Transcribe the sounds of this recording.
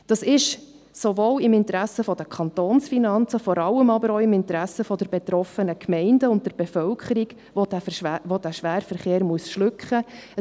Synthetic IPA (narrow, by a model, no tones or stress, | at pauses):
d̥ɑsɪʃ | soʋoːlɪmɪntəɾæsəfɔd̥əkʰχɑntoːnsfinɑnt͡səfɔɾɑlːəmɑbəɾoːɪmɪntɾæsəfɔdɛɾbet̪ɾɔfənəkʰmɛɪndəʊntdɛɾb̥efœlkʰəɾiɡ | odæʋod̥æʃʋæːɾfəɾχeːɾmuəsʃlʏkχəə